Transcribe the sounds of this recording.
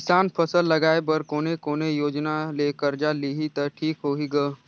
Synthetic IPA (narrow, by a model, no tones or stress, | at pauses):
kɪsaːnpʰɐsəlːɐɡaːebɐɾkoːnekoːnejoːd͡ʒnaleːkəɾd͡ʒaliɦit̪ɐʈʰiːkɦoːɦiɡɐː